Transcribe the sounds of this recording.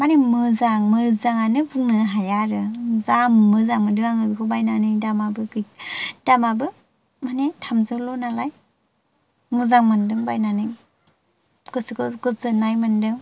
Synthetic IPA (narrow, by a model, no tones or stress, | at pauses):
manimɯzaŋmɯɾzaŋanɯbuŋnɯɦajaɾɯzammɯzaŋmɯdɯŋaŋɯbikʰɯbajnanɯjdamabɯɡɯd̥amabɯ | manitʰamzɯlɔnalaj | mɯzaŋmandɯŋbajnanɯj | ɡɯsɯkʰɯɡɯzɯnajmandɯŋ